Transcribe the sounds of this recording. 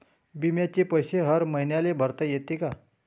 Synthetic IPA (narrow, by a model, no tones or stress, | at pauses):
bimjat͡ɕepəjɕeɦəɾməɦjnjalebʱəɾt̪əjet̪ika